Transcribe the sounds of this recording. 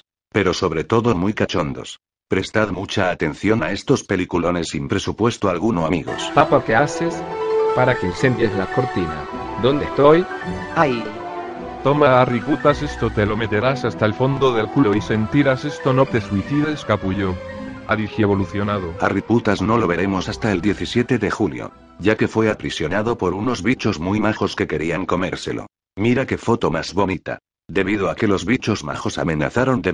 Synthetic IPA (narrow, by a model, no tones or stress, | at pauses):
pe̞ɾo̞so̞βɾe̞t̪o̞ðo̞mujkat͡ʃo̞nd̪o̞̰s | pɾe̞st̪aðmut͡ʃaːt̪e̞nθjo̞nae̞st̪o̞spe̞likulo̞ne̞sːimpɾe̞supwe̞st̪oalɣunoamiɣo̞̰spapakeasespaɾakensemb̪jezlako̞ɾt̪ina̰ | d̪ond̪et̪oj | ai | t̪o̞maːriput̪asest̪ot̪elo̞me̞t̪e̞ɾasast̪aelfo̞nd̪oðe̞lkuloise̞nt̪iɾase̞st̪o̞no̞t̪esuiθiðeskapuʝoaðixjeβo̞luθjonaðoariput̪azno̞lo̞β̞e̞ɾe̞mo̞sast̪aeld̪je̞θisje̞t̪e̞ðe̞xuljo̰ | ɟ͡ʝake̞fwe̞apɾisjo̞naðo̞po̞ɾuno̞zβit͡ʃo̞zmujmaxo̞ske̞ke̞ɾiaŋko̞me̞̰ɾse̞̰lo̞̰ | miɾake̞fo̞t̪o̞mazβo̞nit̪a̰ | d̪e̞βiðoake̞lo̞zβit͡ʃo̞zma̰xo̞sa̰mẽ̞na̰θaɾo̞nd̪e